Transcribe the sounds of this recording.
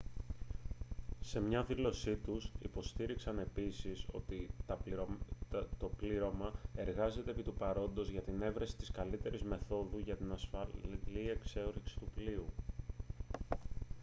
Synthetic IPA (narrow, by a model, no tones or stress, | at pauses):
se̞mɲɐðilo̞sit̪usḭpo̞st̪iɾiksɐne̞pisiso̞̰t̪i | t̪o̞pliɾo̞mɐe̞ɾɣɐze̞t̪e̞ːpit̪upɐɾo̞nd̪o̞zʝɐt̪ine̞vɾɐsi̥t̪iskɐlit̪e̞ɾizme̞θo̞ðuʝɐt̪inɐsfɐlie̞kse̞oɾiksi̥t̪upliu